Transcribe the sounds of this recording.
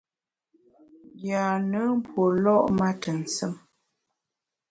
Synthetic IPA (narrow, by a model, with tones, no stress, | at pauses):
ɡja˨nə˨˦m̩˦pwo˨lɔ˦ʔma˦tə˨n̩˨sə˦m